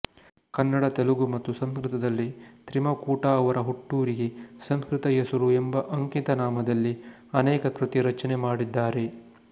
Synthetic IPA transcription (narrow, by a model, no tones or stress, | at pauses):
kɐnːɐɽɐt̪eluɡumɐt̪ːusɐnskɾit̪ɐd̪ɐlːit̪ɾimɐkuːʈɐːʋɐɾɐɦoʈːuːɾiɡe̞sɐnskɾit̪ɐjɐsuɾuembɐʔɐŋkit̪ɐnaːmɐd̪ɐlːi | ɐnɛːkɐkɾit̪iɾɐt͡ʃɐnemaːɽid̪ːaːɾe̞